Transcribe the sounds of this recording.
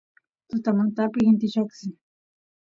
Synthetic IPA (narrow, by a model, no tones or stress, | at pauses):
t̪ʊt̪amant̪apɪxɪnt̪ɪʃoksɪ